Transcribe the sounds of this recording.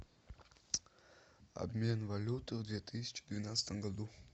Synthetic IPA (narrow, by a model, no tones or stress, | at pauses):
ɐ̰bmʲenvɐlʲut̪ɨvd̪vʲet̪ʰɨsʲi̥t͡ʃɪ̥d̪vʲinat̪sɨ̥t̪əmɡɐd̪u